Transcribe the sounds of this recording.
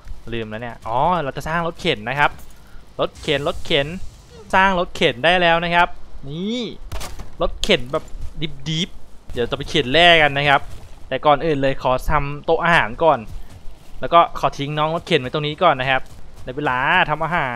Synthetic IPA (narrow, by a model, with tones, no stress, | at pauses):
lɯː˨˩mlɛ˦˥ni˦˥˩ɐʔɔː˧˦ɾa˧wt͡ɕa˨˩saː˥˩ŋlo˦˥t̪̚kʰe˨˩˦nːa˦˥kʰa˦˥p̚ | lo˦˥t̪̚kʰe˨˩˦nlo˦˥t̪̚kʰe˩˦n | saː˥˩ŋlo˦˥t̪̚kʰe˨˩˦ndaː˥˩jlɛː˦˥wna˦˥kʰa˦˥p̚niː˧˥˩ | lo˦˥t̪̚kʰe˨˩˦nbɛː˨˩p̚diː˦˥p̚diː˦˥p̚da˨˩˦t͡ɕa˨˩pa˧jkʰe˨˩˦nlɛː˥˩ka˧nːa˦˥kʰa˦˥p̚t̪ɛː˨˩kɔː˨˩nʔɯː˨˩nlɤː˧jkʰɔː˨˩˦t̪ʰa˧mt̪o˧˥ʔaː˧haː˩˦nkɔː˨˩n | lɛː˦˥wkɔː˥˩kʰɔː˩˦t̪ʰi˨˦ŋnɔː˦˥ŋlo˦˥t̪̚kʰe˨˩˦nmaː˧˦t̪o˧ŋniː˦˥kɔː˨˩nːa˦˥kʰa˦˥p̚da˧˥˩weː˧˩laː˧t̪ʰa˧mʔaː˧ɦaː˩˦n